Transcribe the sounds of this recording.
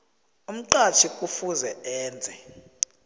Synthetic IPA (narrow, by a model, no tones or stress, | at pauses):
um̩ǃat͡ʃʰikʼufuzɛɛːnd͡zʱɛ